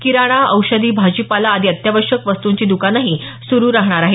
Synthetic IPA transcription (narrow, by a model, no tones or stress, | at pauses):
kiɾaɽ̃aəwɕəd̪iːbʱad͡ʑiːpalaːd̪ʱiət̪jaʋəɾɕəkʋəst̪uɲt͡ɕiːd̪ukanaɦi | suɾuːɾaɦɳ̃aɾaɦe